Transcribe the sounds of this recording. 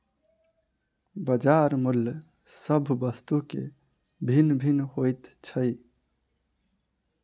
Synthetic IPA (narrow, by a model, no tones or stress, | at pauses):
bəd͡ʒaɾmulj | səbʱbəst̪ukḛ | bʱinbʱinɦojt̪t͡ʃʰəj